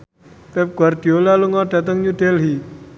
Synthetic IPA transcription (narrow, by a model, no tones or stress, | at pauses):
pɛp̚ɡ̥warɖ̪̥i̤olaluŋɔɖ̥a̤t̪̬əŋjud̥ɛlɦi